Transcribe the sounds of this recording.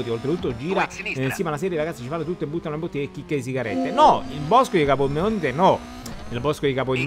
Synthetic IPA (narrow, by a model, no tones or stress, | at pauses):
t̪iolt̪ɾet̪ut̪ːod͡ʒiːɾansiːmalas̬ɛːɾjeiɾaɡat̪sit͡ʃifanːot̪ut̪ːoebːut̪ːanolebot̪ːiekːikːeis̬iɡaɾɛ̰t̪ːenɔilbɔskod̪ikapomːeont̪enɔ | ilbɔskod̪ikapom